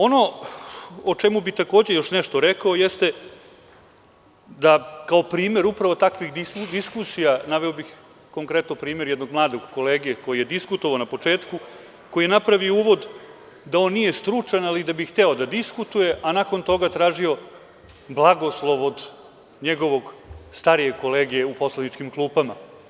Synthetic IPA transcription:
o̞no̞ | ot͡ʃe̞mubit̪ako̞ːd͡ʑejo̞ʃneʃt̪o̞ɾekaojest̪e̞ | d̪akaopɾiːme̞ɾupɾaʋo̞t̪akʋixd̪id̪iskusijanaʋeobix | ko̞ŋkɾet̪nopɾiːme̞ɾjed̪no̞ɡ̚mlˠaːd̪o̞ɡko̞leːɡijeko̞jijed̪iskut̪oʋaonapo̞t͡ʂeːt̪ku | ko̞jienapɾaʋiouːʋo̞d̪ | d̪ao̞nːije̞st̪ɾut͡ʂanalid̪abixt̪eo̞d̪ad̪iskut̪uje̞ʔanako̞nt̪o̞ɡat̪ɾaːʒio̞ | blˠaɡo̞slˠo̞ʋo̞d̪ | ɲeɡo̞ʋo̞ɡst̪aɾije̞ko̞leːɡijeupo̞slˠanit͡ʃkimklˠuːpama

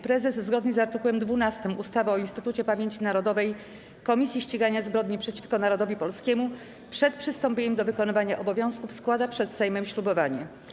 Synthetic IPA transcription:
pɾɛzɛszɡɔd̪ɲɛzaɾt̪ɘkuwɛmd̪vunast̪ɘmust̪avaɔinst̪ɘt̪ut͡ɕɛpamʲjeɲt͡ɕinaɾɔd̪ɔvɛj | kɔmʲisʲjiɕt͡ɕiɡaɲazbɾɔd̪ɲipʂɛt͡ɕi̥fkɔnaɾɔd̪ɔvʲipɔlskʲɛmu | pʂɛt̪̚pʂɘst̪ɔmpʲeɲɛmd̪ɔvɘkɔnɘvaɲaʔɔbɔvʲjɔ̃w̃skufskwad̪apʂɛt̪sɛjmɛmɕlubɔvaɲɛ

